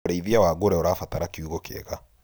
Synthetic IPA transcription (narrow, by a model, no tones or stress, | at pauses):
ɾeiðiawaɡoɾɛɔɾafataɾakiuɣokḛɣa